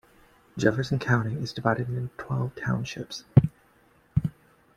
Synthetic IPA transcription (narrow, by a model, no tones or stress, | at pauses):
d̥ʒ̥ɛvə˞sɨ̃n̩kʰãʊ̃ɾ̃iɪzdɨvaɪɾɨɾɪ̃ntʰw̥ɛlˠv̥tʰãʊ̃nʃɪ̰ps